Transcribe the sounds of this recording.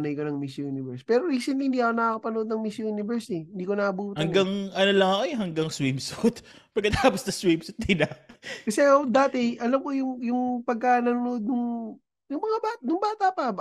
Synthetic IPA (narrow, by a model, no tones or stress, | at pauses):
nɐjkonɐŋmisjojuːnɪvɛɹspɛːɾoɾiːsɛnlihɪnd̪iːʔɐkonɐkopɐnʊʔod̪nɐŋmisjojunɪvɛɹsɛɪnd̪iːko̞nɐʔɐbuːt̪ɐŋɡɐŋʔɐnolɐŋɐkoɦɐŋɡɐŋswimsut̪ | pɐɡkːɐt̪aːposnɐswimsʊt̪̚d̪ɪnɐkɐsɛod̪aːt̪ɛʔɐlɐmkojʊŋjʊŋpɐɡ̚kanɐnʊnood̪̚nʊŋ | jʊŋmɐŋabanʊŋbaːt̪apɐ